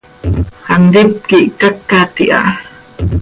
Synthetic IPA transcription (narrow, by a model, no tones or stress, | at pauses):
handip̚kiʔkakːat̪iʔa̰